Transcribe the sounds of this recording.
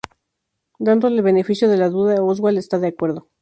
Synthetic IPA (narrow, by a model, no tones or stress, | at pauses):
d̪and̪oelβe̞ne̞fisjo̞ðe̞laðuðaozɣwalest̪aðeakwe̞ɾðo̞